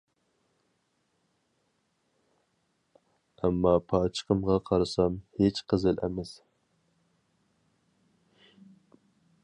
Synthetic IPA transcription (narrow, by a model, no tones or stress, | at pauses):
ɛmːɑpʰɑt͡ʃʰə̥qʰəmʁɑqʰɑɾɨsɑmhet͡ʃqʰəzɨlʔɛ̰mɛs